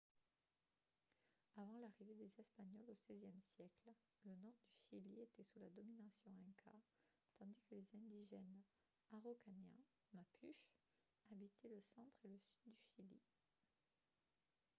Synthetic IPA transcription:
avɑ̃laʁived̪ezɛspaɲɔlosɛzjɛmsjɛkl | lənɔʁd̪yʃiliet̪ɛsulad̪ɔminasjɔ̃ɛ̃kʰa̰ | t̪ɑ̃d̪ikəlezɛ̃d̪iʒɛn | aʁokanjɛ̰̃ | mapʰyʃ | abit̪ʰɛləsɑ̃t̪χeləsyd̪ːyʃilḭ

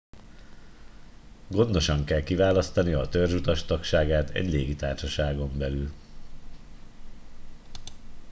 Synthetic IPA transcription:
ɡo̞nd̪o̞ʃɒŋkɛlkivaːlɒst̪ɒniɒt̪ørʒut̪ɒʃt̪ɒkʃaːɡaːt̪ɛ̰ɟleːɡit̪aːrʃɒʃaːɡo̞mbɛlyl

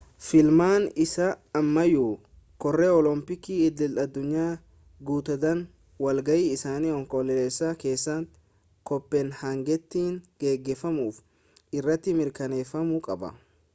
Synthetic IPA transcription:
fɪlmaːnɪsaːmːɐjuː | kɔrːeːɔlɔmpɪkiɪd̪ːɪlɐd̪ːʊɲːaː | ɡuːt̪ɐd̪ɐn | wɐlɡɐʔiːɪsaːniːɔŋkɔlɛleːsːake̞ːsːɐŋ | kɔpːeːnhɐŋɡɛt̪ːiːŋɡ̥e̞ːɡːeːfɐmuːf | ɪrːɐt̪ːɪmɪɾkɐne̞ːfɐmʊkʼɐbɐ̰

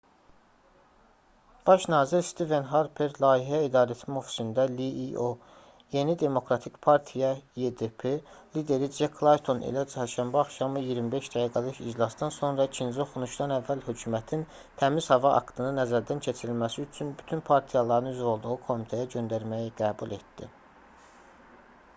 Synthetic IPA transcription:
b̥ɑʃnɑːziɾst̪ive̞nɦɑɾpʰeɾlˠɑːiɦæid̪ɑːɾæt̪ʰinmo̞fi̥sind̪æliʔio | je̞nid̪e̞mo̞kɾɑt̪ʰikpʰɑɾt̪ʰijɑjed̪epʰelid̪e̞ɾid͡ʒekʰlˠɑjt̪ʰo̞nḭlæd͡ʒʰɛhæɾʃæmbæɑχʃɑmɯjiɾmibe̞ʃd̪æɡiːɡælɯʃḭd͡ʒlˠɑsd̪ɑnso̞nɾɑcʰind͡ʒio̞xunuʃd̪ɑnævːælhø̞cʰumæt̪ʰin | t̪ʰæmiz̥hɑvɑʔɑ̰kt̪ʰɯnɯnæzæɾd̪æncʰe̞t͡ʃʰiɾilmæsiyt͡ʃʰynbyt̪ʰynpʰɑɾt̪ʰijɑlˠɑɾɯnyzɾo̞lˠd̪uɣukʰo̞mit̪ʰejæɟø̞nd̪æɾmæjiɡæːbulˠʔe̞t̪d̪̥ḭ

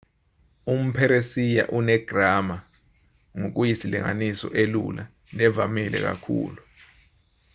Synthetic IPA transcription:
um̩pʰɛɾesija̰ʔunɛɡ̥ʱrama | ŋok̬ujisilḭŋa̰nisɔʔelṵla | nɛvamilɛ̰k̬a̰kʰṵːlu

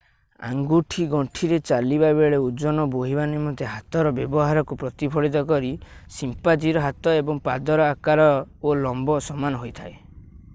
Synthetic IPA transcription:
a̰ŋɡuʈʰiɡɔʈʰiɾet͡ʃalibabeɭeud͡ʒɔnɔboɦibanemɔt̪eɦat̪ɔɾɔbjɔbɔɦaɾɔkupɾɔt̪ipʰɔɽit̪̬ɔkɔɾisimpad͡ʒiɾɔɦat̪ɔebɔŋpad̪ɔɾɔakaɾɔolɔmbɔsɔmanɔɦojt̪ʰae

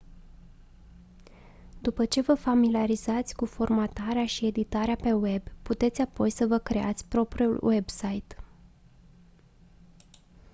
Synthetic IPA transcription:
d̪upət͡ʃe̞vəfamiliaɾizat̪sʲkufo̞rmat̪aɾeaʃie̞d̪it̪aɾeape̞we̞bput̪e̞t̪sʲapo̞jsəvəkɾe̞a̰t̪sʲpɾo̞pɾiulwe̞bsajt̪

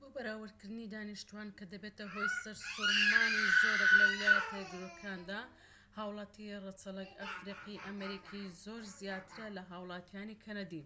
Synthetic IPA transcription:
bubɐɾaːwɨɾkɨɾd̪nid̪aːniʃt̪uwaːnkɐd̪ɐbet̪ɐɦojsɐɾsuɾmaːnizoːɾeklɐwlapʰed̪ɾokʰɾaːnd̪aː | haːwlˠɑːt̪ʰirɨt͡sɐlˠɐkafɾiqiʔɐmɐɾikʰizoɾzijaːt̪ʰɨɾɐlɐɦawlˠɑːt̪ʰjaːnikʰɐnad̪i

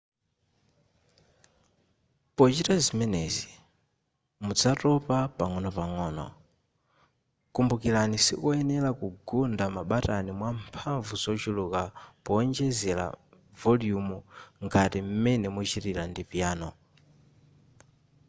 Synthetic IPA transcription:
pɔt͡ʃitazimɛnɛzi | mud͡zatɔpapaŋɔnɔpaŋɔːnɔ̰ | kumbukilanisḭkɔɛnɛlakuɡundamaɓatanimwampʰaɱvuzɔt͡ʃulukapɔːnd͡ʒɛzɛla̰ | vɔljumuŋɡatim̩mɛnɛmut͡ʃitilandipjaːnɔ

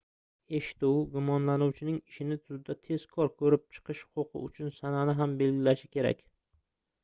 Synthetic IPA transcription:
e̞ʃɪ̥t̪uwɡʊmɒnlanuwt͡ʃʰɪnɪŋɪʃɪnɪt̪ʰʊzɪd̪at̪ʰe̞z̥kʰɒɾkʰɵɾɪp̚t͡ʃʰɨ̥qʰɨʃhʊ̥qʊqʰɨ̰ʊ̰t͡ʃʰʊnsananɪɦambe̞lɡʲɪlaʃɪ̥kʲʰe̞ɾa̰kʲ

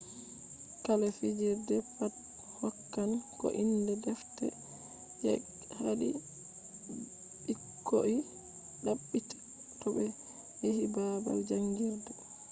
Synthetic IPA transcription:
kalɛfid͡ʒiɾdɛpat | hɔkːankɔ̰ʔindɛdɛftɛ̰ | jɛ̰ | haɗi | ɓikʰːoʔi | ɗaɓːitḁ | tɔbɛ | jehibaba̰ld͡ʒaŋɡiɾdɛ

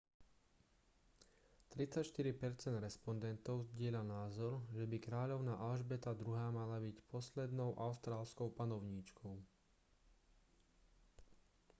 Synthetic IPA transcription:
t̪ɾit͡sacʃt̪iɾipɛɾt͡sɛnd̪ɾɛspɔnd̪ɛnt̪ɔʊzɟɪɛlanaːzɔɾʒɛbikɾaːʎɔʊnaːʔalʒbɛt̪ad̪ɾuɦaːmalabicpɔslɛd̪nɔʊʔaʊst̪ɾaːlskɔʊpanɔʊɲiːt͡ʃkʰɔʊ

